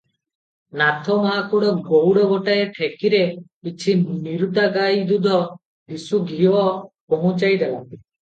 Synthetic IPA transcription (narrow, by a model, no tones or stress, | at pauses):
nat̪ʰɔmaakuɽɔɡowɽɔbɔʈaeʈʰekiɾepit͡ʃʰiniɾuʈ̪aɡajd̪ud̪ʱɔ | d̪isuɡʱiɔkomut͡ʃajd̪ɛlant̪i